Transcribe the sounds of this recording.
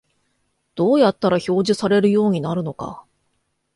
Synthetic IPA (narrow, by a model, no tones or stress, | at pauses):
d̪̥o̞ːjat̪ːaɾaço̞ːʑisaɾe̞ɾɯ̟jo̞ːɲ̟inaɾɯ̟no̞ka̰